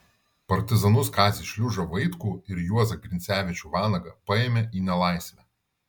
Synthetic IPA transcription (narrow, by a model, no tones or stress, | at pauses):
pɐɾʲt̪ʲɪzɐnʊskɑːzʲɪːʃʲlʲʊʒɐʋɐɪt̪kuːɪɾjuɔzɐɡɾʲɪnʲsʲæːʋʲɪt͡ʃʲuːʋɑːnɐɡɐpɐeːmʲeiːnʲɛlˠɑˑɪsʲʋʲæ